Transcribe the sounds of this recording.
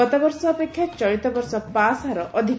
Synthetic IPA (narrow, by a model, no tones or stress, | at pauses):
ɔt̪abɔɾsɔːpekʰːjat͡ʃɔɾit̪ɔbɔɾsɔpasaɾɔʔɔd̪ʱi